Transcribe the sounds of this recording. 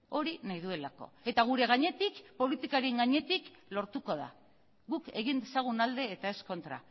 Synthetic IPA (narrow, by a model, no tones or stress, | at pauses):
o̞ɾinajðue̞lako̞̰e̞t̪aɣ̞uɾe̞ɣaɲe̞t̪ikpo̞lit̪ikaɾiŋɡaɲe̞t̪iklo̞ɾt̪uko̞ða̰ | ɣuke̞ɣ̞ind̪e̞saɣ̞unald̪e̞ːt̪ae̞sko̞nt̪ɾa̰